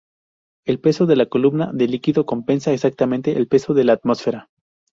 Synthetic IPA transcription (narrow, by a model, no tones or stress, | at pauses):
e̞lpe̞so̞ðe̞lako̞lumna̰ðe̞likiðo̞ko̞mpe̞nsaesak̚t̪ament̪e̞ʔːlpe̞so̞ðe̞laːt̪mo̞sfe̞ɾa